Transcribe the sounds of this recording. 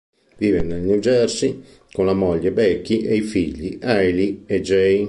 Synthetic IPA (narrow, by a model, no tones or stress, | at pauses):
viːvenːelniwd͡ʒɛrsi | konlamɔʎːebɛkːiʔeifiʎːiʔajliɛd͡ʒɛj